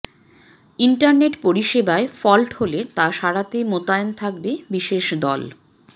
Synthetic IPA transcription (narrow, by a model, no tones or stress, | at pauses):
iɳʈaɾneʈpoɾiʃebaefɔlʈholet̪aʃaɾat̪emot̪aent̪ʰak̚bebiʃeʃd̪ɔ̰l